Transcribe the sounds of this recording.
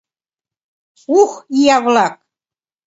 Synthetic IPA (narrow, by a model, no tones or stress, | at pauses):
uxijɑβlɑk̚